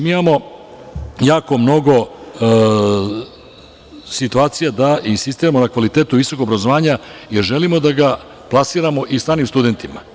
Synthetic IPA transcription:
miimamo̞ | jaːko̞mno̞ɡo̞ | sit̪uaːt̪sijad̪aʔinsist̪iːɾamo̞nakʋalit̪eːt̪uʋiso̞koobɾazoʋaːɲajeɾʒe̞limo̞d̪aɡa | plˠasiːɾamo̞ʔisaːɾnimst̪ud̪e̞nt̪ima̰

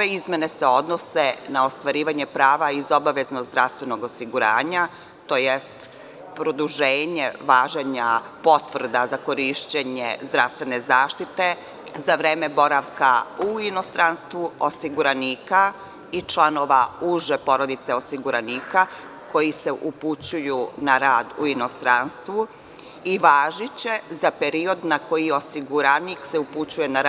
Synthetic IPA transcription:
eizmʲene̞se̞o̞d̪nosenao̞st̪ʋaɾiːʋaɲepɾaːʋaizo̞baʋe̞znoɡzd̪ɾafst̪ʋe̞no̞ɡosiɡuɾa̰ːɲa | t̪o̞ːjest̪ | pɾo̞d̪uʒeːɲeʋaːʒeɲapo̞t̪ʋr̩d̪azako̞ɾiʃt͡ɕeɲezd̪ɾaʋst̪ʋe̞ne̞zaːʃt̪it̪e̞ | zaʋɾeːme̞bo̞ɾaʋkauino̞st̪ɾanst̪ʋuosiɡuɾaniːka | it͡ʃlano̞ʋauʒepo̞ɾo̞d̪it̪se̞osiɡuɾaniːka | kʰo̞jise̞ʔuput͡ɕujunaɾaːd̪ṵino̞st̪ɾanst̪ʋu | iʋaːʒit͡ɕe̞zape̞ɾio̞d̪nako̞jio̞siɡuɾanikseuput͡ɕuje̞naɾ

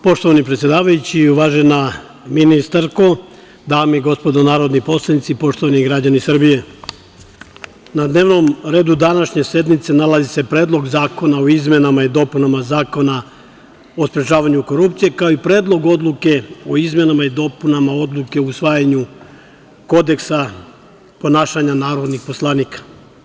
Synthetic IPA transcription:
po̞ʃt̪o̞ʋanipɾet̪sjed̪aːʋajut͡ɕiuʋaːʒe̞na | minist̪aɾko̞ | d̪aːmeiɡo̞spo̞d̪onaːɾo̞d̪nipo̞slˠanit̪sipo̞ʃt̪oʋaniɡɾad͡ʑanisr̩bije̞ | nad̪ne̞ːʋno̞mɾe̞ːd̪ud̪anaʃɲe̞sje̞d̪nit̪se̞nalazise̞pɾe̞ːd̪lˠo̞ɡzaːko̞naoizme̞namaid̪o̞punamazaːko̞na | o̞spɾe̞t͡ʃaːʋaɲuko̞ɾupt̪sije̞kaoipɾe̞ːd̪lˠo̞ɡo̞d̪luke̞oizme̞namaid̪o̞punamao̞d̪lˠuke̞ousʋaːjaɲu | ko̞d̪e̞ksa | po̞naːʃaɲanaːɾo̞d̪nixpo̞slˠaniːkḁ

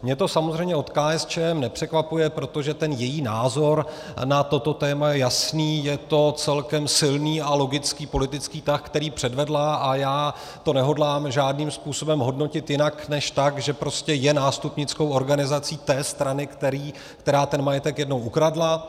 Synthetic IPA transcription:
mɲɛt̪o̞samozrɛjmɲɛo̞t̪kaːɛst͡ʃɛːɛmnɛpr̝̥ɛkvapujɛpɾo̞t̪o̞ʒɛt̪ɛnjɛjiːnaːzo̞ɾ | nat̪o̞t̪o̞t̪ɛːmajɛjasniːjɛt̪o̞t͡sɛlkɛmsɪlniːalo̞ɡɪt͡skiːpo̞lɪt̪ɪt͡skiːt̪axkt̪ɛɾiːpr̥ɛdvɛdlaʔajaː | t̪o̞nɛɦo̞dlaːmʒaːdniːmspuːso̞bɛmɦo̞dno̞cɪt̪jɪnaknɛʃt̪akʒɛpɾo̞scɛjɛnaːst̪upɲɪt͡skowʔo̞ɾɡanɪzat͡siːt̪ɛːst̪ɾanɪkt̪ɛɾiː | kt̪ɛɾaːt̪ɛnmajɛt̪ɛkjɛdno̞wʔukɾadla

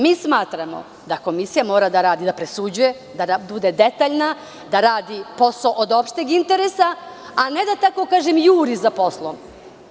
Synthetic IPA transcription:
miːsmaːt̪ɾamo̞̰ | d̪ako̞misijamo̞ːɾad̪aɾaːd̪id̪apɾesud͡ʑuje̞ | d̪aabud̪e̞d̪et̪aːʎna | d̪aɾaːd̪ipo̞soʔod̪opʃt̪eɡint̪e̞ɾesaː | ned̪at̪ako̞kaːʒemjuːɾizapo̞slˠom

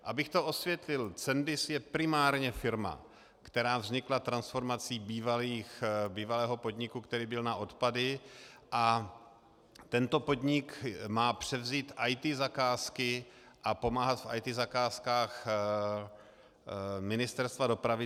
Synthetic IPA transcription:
ʔabɪxt̪oʔo̞svjɛt̪lɪlt͡sɛndɪsjɛpɾɪmaːɾɲɛfɪɾma̰ | kt̪ɛɾaːvzɲɪklat̪ɾansfo̞ɾmat͡siːbiːvaliːxbiːvalɛːɦo̞po̞d̪ɲɪkukt̪ɛɾiːbɪlnaʔo̞t̪padɪʔa | t̪ɛnt̪o̞po̞d̪ɲɪkmaːpr̝̥ɛvziːt̪ʔajt̪iːzakaːskɪ | ʔapo̞maːɦat̪fʔa̰jt̪izakaːskaːx | mɪnɪst̪ɛɾst̪vado̞pɾavɪ

